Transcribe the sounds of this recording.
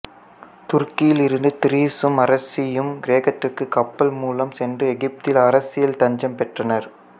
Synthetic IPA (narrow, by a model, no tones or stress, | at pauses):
t̪ʊrkɪjɪlɪɾɯnd̪ɯt̪ɪɾiːsɯmɐɾɐsɪjɯmɡɪɾeːɣɐʈrɪkːɯkɐpːɐlmuːlɐmsɛndrɯɛɣɪp̚t̪ɪlɐɾɐsɪjɐlt̪ɐɲd͡ʒɐmpɛʈrɐnɐɾ